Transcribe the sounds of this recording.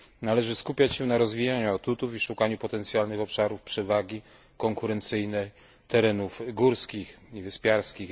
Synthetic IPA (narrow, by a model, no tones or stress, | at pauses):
nalɛʐɘskupʲjat͡ɕɕɛnaɾɔzvʲijaɲuat̪ut̪ufiʂukaɲupɔt̪ɛnt̪sʲjalnɘxɔpʂaɾufpʂɛvaɡʲi | kɔŋkuɾɛnt̪sɘjnɛ | t̪ɛɾɛnufɡuɾskʲixivɘspʲjaɾskʲix